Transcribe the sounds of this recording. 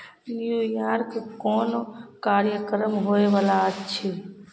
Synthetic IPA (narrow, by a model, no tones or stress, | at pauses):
njujaːɾkkɔːnokaːɾjəkɾəmɦoeʋaːlaətːt͡ʃʰi